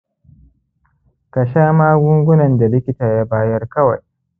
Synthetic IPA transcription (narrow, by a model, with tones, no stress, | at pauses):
ka˨ʃaː˦maː˦ɡʷʊ˦ŋɡʷʊ˦nɐ˨nda˨lɪ˦kʲɪ˦taː˨jaː˦baː˦jɐ˦rkɐ˦wa̰˨j